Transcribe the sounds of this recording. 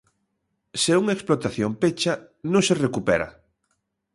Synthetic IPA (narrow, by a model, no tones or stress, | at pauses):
seuŋaeksplot̪aθjompet͡ʃa | nõŋserekupɛɾa̰